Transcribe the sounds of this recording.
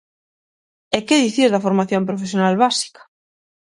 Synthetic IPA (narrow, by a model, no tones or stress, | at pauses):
ekeðiθizðɐfoɾmaθjompɾofes̬jonalβasi̥kḁ